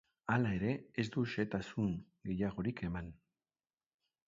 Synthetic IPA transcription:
alae̞ɾe̞ːzd̪uʃe̞t̪asuŋɡe̞jaɣ̞o̞ɾike̞man

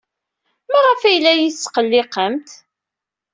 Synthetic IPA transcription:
mæʁəfæjlːæjiθsːqəlːɪqəmt̪

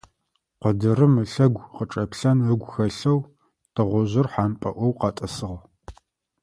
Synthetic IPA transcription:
qədɨrɨmɨɬɐɡʷqəʈ͡ʂʼɐpɬɐnɨɡʷxɐɬɐw | tʰɨʁʷɔʑɪrħaːnpʼɐ̰ʔʷɔwqɑtʼɐsɨʁ

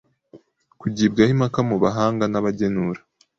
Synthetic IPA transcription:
kuɟiːb̚ɡahimakamuβaɦaːŋɡanaβaɟenuɾḁ

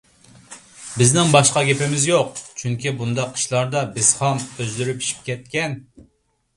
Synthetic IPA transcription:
bɪznɪŋbɑʃqɑɡʲepɪmɪzjoqt͡ʃʰyŋkʲibund̪ɑqʰːi̥ʃlˠɑɾd̪ɑbɪz̥χɑmøzlyɾypi̥ʃi̥p̚kʲɛt̪̚kʲɛn

